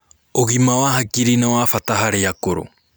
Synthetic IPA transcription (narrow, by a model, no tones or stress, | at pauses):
oɡimawaɦakiɾinawafataɦaɾeakoɾo̰